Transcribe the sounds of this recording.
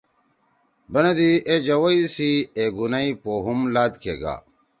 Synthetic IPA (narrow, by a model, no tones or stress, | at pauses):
bɐnɐd̪ied͡ʑɐwɐisieɡunɐipoɦumlaːd̪kʰeɡa̰ː